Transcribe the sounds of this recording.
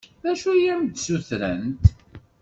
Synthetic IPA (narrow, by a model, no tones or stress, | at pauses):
ðæʃujæmd̪suθɾə̰nt̪